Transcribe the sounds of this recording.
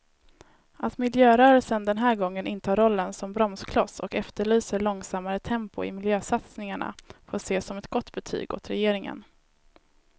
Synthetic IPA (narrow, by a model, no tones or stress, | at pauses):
at̪mɪljøːɾœːɾəlsənd̪ɛnɦæːɾɡɔŋːənʔɪnt̪ʰɑːɾɔlːənsɔmbɾɔmskʰlɔsɔkɛft̪əɭyːsəɭɔŋsamːaɾət̪ʰɛmpʊɪ̰mɪljøːsat̪snɪŋaɳa̰foːʂeːsɔmɛt̪ɡɔt̪ːbɛt̪ʰy̰ːɡo̰ːt̪ɾɛjeːɾɪŋə̰n